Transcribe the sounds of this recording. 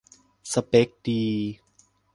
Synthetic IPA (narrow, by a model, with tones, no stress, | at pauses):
sa˧˩pe˦˥k̚diː˧